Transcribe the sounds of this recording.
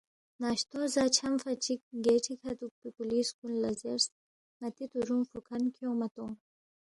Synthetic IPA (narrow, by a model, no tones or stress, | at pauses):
naːʃt̪ozat͡ʃʰɐmfɐt͡ʃik̚ɡeʈʰikʰɐt̪uk̚pipuliskunlɐzeɾs | mɐt̪it̪uɾumfukʰɐnkʰjoːmɐt̪o